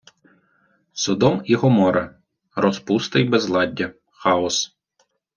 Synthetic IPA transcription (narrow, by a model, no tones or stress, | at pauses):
sʊd̪ɔmiɦɔmɔɾɐ | ɾɔspust̪ɐjbɛzlˠɑdʲːɐ | xɑɔs